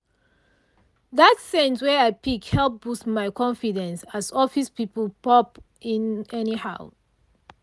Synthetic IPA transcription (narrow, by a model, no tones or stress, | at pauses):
ðatsɛ̃ntwɛaɪpikhɛlˠp̚b̥usmaɪkʰɔ̃ɱfidɛ̃nsasɔfispipəl̩ˠpɔp | ĩnɛnihaʊ